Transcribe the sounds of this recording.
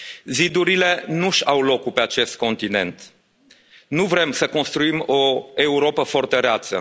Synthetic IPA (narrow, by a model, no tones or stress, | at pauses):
zid̪uɾile̞nuʃawlo̞kupe̞at͡ʃe̞st̪̚ko̞nt̪ine̞̰nt̪ | nuvɾe̞msəko̞nst̪ɾuimo̞e̞uɾo̞pəfo̞rt̪eɾeat̪sə̰